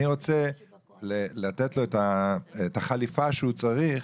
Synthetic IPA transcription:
iʁo̞t͡se | lelatetlo̞etaetaχalifaʃeut͡saʁiχ

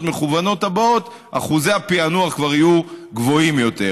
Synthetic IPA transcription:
tmeχuvano̞tabot | a̰χuzeapianuaχkvaʁijuɡvo̞imjo̞t̪e̞

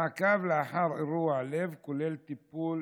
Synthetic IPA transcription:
aʕkavleaħɑɾˤɾuaʕlevkolelt̪ipːuːl

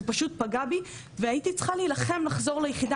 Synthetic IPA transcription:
paʃut̚paɡabi | veaitit͡sχaleːlaχe̞mlaχzo̞ʁlejeχida

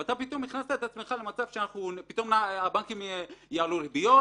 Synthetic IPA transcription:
vat̪apit̪o̞mniχnast̪aet̪at͡sme̞χale̞mat͡sav̥ʃeanaχnunpit̪o̞mnaabaŋkimjaʕalulebijo

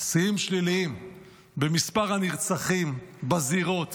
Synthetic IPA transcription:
sijimʃliliim | bemispaʁhaniʁt͡saχimbaziʁo̞t̪

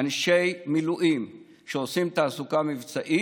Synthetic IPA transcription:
anʃejmiluʔim | ʃeosimt̪aːsukamivt͡saʔi

